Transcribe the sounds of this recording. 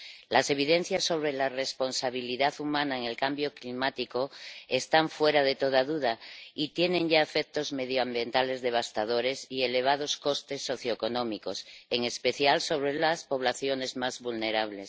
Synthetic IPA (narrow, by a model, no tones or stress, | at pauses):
lase̞β̞iðe̞n̟θjasːo̞β̞ɾe̞lare̞spo̞nsaβ̞iliðaθumãnaeŋe̞lkambjo̞klimat̪iko̞est̪aɱfwe̞ɾaðe̞t̪o̞ðaðuðait̪je̞nẽ̞ŋɟ͡ʝaefek̚t̪o̞zme̞ðjoambje̞nt̪ale̞zðe̞β̞ast̪að̞o̞ɾe̞siele̞β̞aðo̞sko̞st̪e̞sːo̞θjo̞eko̞nõ̞miko̞seŋe̞speθjalso̞β̞ɾe̞laspo̞β̞laθjo̞ne̞zmazβulne̞ɾaβle̞s